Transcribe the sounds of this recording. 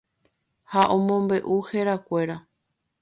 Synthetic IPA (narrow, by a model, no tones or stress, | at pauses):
haʔõ̞mõmbe̞ʔuheɾakʷe̞ɾa